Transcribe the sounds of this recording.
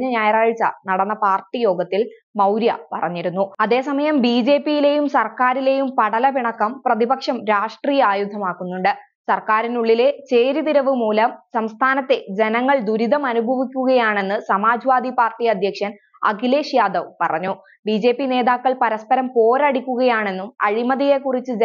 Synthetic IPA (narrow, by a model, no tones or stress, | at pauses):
ɲːɐɲaːjɐraːɻt͡ɕːɐ̰nɐɽɐnːɐpaːrʈːijo̞ːɡɐt̪ːil | mɐwɾjɐ̰pɐrɐɲːiɾunːuɐðe̞ːsɐmɐjɐmbiːd͡ʑe̞ːpːijile̞jumsɐrkaːɾile̞jumpɐɽɐlɐpiɳɐkːɐmprɐðibɐkʂɐmɾaːʂʈriːjɐaːjud̪ʱɐmaːkːunːuɳɖɨ | sɐrkaːɾinuɭːile̞t͡ɕe̞ːɾit̪iɾɐʋɨmuːlɐmsɐmst̪ʰaːnɐt̪ːe̞d͡ʑenɐŋːɐɭd̪uɾiðɐmɐnubʱɐʋikʲːuɣɐjaːɳe̞nːɨsɐmaːd͡ʑʋaːd̪ipaːrʈiɐd̪ʱjɐkʂjɐn | ɐ̰ɡile̞ːɕjaːd̪ɐʋpɐrɐɲːu | bid͡ʑe̞ːpːine̞ːðaːkːɐɭpɐɾɐspɐɾɐmpo̞ːɾaːɽikʲːuɣɐjaːɳe̞nːumɐ̰ɻimɐðije̞kːurit͡ɕːɨd͡ʑ